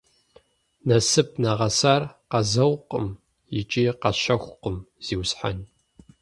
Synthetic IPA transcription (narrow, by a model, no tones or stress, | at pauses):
nɐsɨp̚ʰnɐʁɐsaːrqɐzɐwqʼəm | jɪt͡ʃʼiːqɐɕɐxʷʊqəmz̥iːwsħa̰n